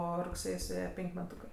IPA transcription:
ˈoː rʊkˈsʲeːj sʊˈeːjɛ ˈpʲɛŋʲkʲ mʲɛˈtuːkɜ

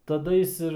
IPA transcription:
tɐˈdɐ jɪs ˈɪr

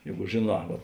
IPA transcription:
ˈjɛɪɡʊ ʒʲeːˈnɑː ʋɐ

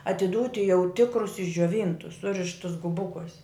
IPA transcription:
ɐtʲɪˈduːtʲɪ jɛʊ ˈtʲɪkrʊs ɪʒʲd͡ʒʲoːˈʋʲiːntʊs ˈsʊrʲɪʃtʊs ɡʊˈbʊkuɔsʲ

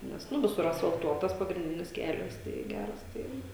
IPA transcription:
ˈnʲɛs ˈnʊ ˈʋʲɪsʊr ɐsfɐlˠˈtuɔtɐs pɐɡrʲɪnʲˈdʲɪnʲɪs ˈkʲæːlʲɛs tɐɪ ˈɡʲærɐs ˈtɐɪ

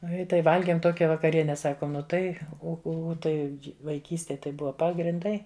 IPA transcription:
ˈnʊ ɪ ˈtɐɪ ˈʋɐlʲɡʲeːm ˈtoːkʲɛ ʋɐkɐˈrʲiɛnʲɛ ˈsɑːkoːm ˈnʊ ˈtɐɪ ˈʊ ˈʊ ˈtɐɪ ʋɐɪˈkʲiːsʲtʲeːj tɐɪ ˈbʊʋɐ pɐɡrʲɪnˈdɐɪ

